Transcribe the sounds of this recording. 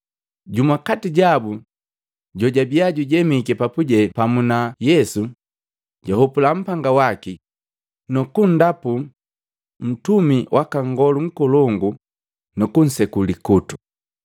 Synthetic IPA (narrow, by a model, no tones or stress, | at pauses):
ɟumakatiɟabu | ɟɔɟabiaɟuɟɛmikɛpapuɟɛpamunajɛsu | ɟahɔpulam̩paŋɡawaki | nɔkun̩dapu | m̩tumiwʔakaŋɡɔluŋ̩kɔlɔŋɡu | nɔkun̩sɛkulikutu̥